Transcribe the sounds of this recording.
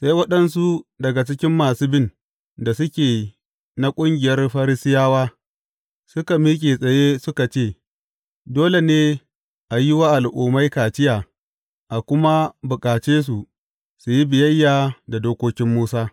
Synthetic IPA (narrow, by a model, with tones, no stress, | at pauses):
sa˦jwɐ˦ɗɐ˦ns̬u˦dɐ˨ɡa˨t͡ʃɪ˦kʲɪ˦mːaː˨suː˦bɪ˦n | da˨sʊ˦kʲeː˨ | na˦kʷʼʊ˦ŋɡʲɪ˨jɐ˦rɸa˦ɾɪ˦sɪ˦jaː˦waː˦ | sʊ˦ka˨miː˦kʲʼe˨sʼɐ˨je˦sʊ˦ka˨t͡ʃeː˦˨ | doː˦le˨neː˦ | ʔa˨jɪ˦waː˦ʔa˨lʔuː˨ma˦jkaː˨t͡ʃɪ˦jaː˨ | ʔa˨kʷʊ˦ma˦bʊ˨kʼaː˨t͡ʃeː˦s̬u˨ | su˨ji˦bɪ˨jɐ˦jːaː˨da˨doː˦kʷoː˦kʲɪ˦mːuː˦saː˦